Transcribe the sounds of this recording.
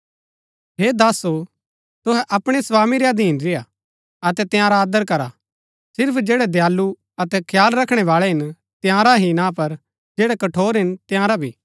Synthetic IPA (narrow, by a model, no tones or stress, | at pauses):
ɦeːd̪aːso | t̪ʊɦɛʔɐpɽ̃ɛsʋaːmiɾeɐd̪iːnɾɪja | ɐt̪ɛt̪jãːɾaːd̪əɾkɐɾa | sɪɾpʰd͡ʒɛːɽɛd̪jaːlːu | ɐt̪ɛkʰjaːlɾɐkʰɽ̃ɛʋaːɭɛɦɪn | t̪ɪjãːɾaɦinãpɐɾ | d͡ʒeːɽɛkɐʈʰoːɾɦɪnt̪ɪjãːɾabʱiː